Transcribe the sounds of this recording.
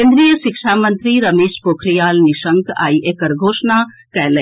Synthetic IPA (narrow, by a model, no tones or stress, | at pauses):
end̪ɾijəʃikʃaːmənt̪ɾiɾɐmeːʃpokʰɾijaːlniʃəŋka̰jʔekəɾɡʱoːʂna | kɛɦlə